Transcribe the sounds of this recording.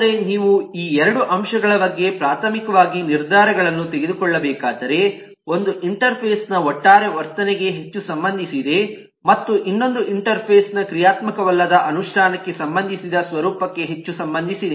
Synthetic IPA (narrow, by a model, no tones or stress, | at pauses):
ɾeniːʋuiːɛɾɐɽuʔɐmʃɐɡɐɭɐbɐɡːepɾaːt̪ʰɐmikɐʋaːɡiniɾd̪ʱaːɾɐɡɐɭɐnːut̪eɡed̪ukɔɭːɐbɛːkaːd̪ɐɾe̞ | o̞nd̪uʔiɳʈɐɾpʰeːsnɐɔʈːaːɾeʋɐɾt̪ɐnɛɡe̞ɦe̞t͡ʃːusɐmbɐnd̪ʱisid̪e̞ | mɐt̪ːuʔinːo̞nd̪uʔiɳʈɐɾpʰeːsnɐkɾijaːt̪mɐkɐʋɐlːɐd̪ɐʔɐnuʂʈʰaːnɐkːe̞sɐmbɐnd̪ʱisid̪ɐsʋɐɾuːpɐkːe̞ɦe̞t͡ʃːusɐmbɐnd̪ʱisid̪e